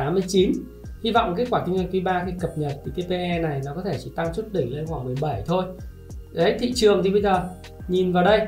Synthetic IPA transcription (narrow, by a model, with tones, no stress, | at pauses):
aː˨˦mːɨ˧əjt͡ɕi˨˦n | hi˧vɔ̰˧˨wŋ͡mkaː˨˦˥kwaː˧˩ï˧ŋa˧˩ŋt̪̬wi˨˦ɓaː˧xi˧kə˨˩p̚ɲə˨˩t̚t̪ʰi˨˩t̪e˧pe˧ʔɛ˧na˨˩jnɔ˨˦kɔ˨˦t̪ʰe˧˩t͡ɕḭ˧˩t̪a˧ŋswu˦˥t̚ɗï˧˩ŋle˧nxwaː˧˩ŋmɨ˨˩əjɓə˧˩jt̪ʰo˧j | ɗə˨˦jt̪ʰḭ˧˨t͡ɕɨ˨˩əŋt̪ʰi˨˩ɓə˧jzəː˨˩ | ɲi˨˩nvaː˨˩wɗə˧j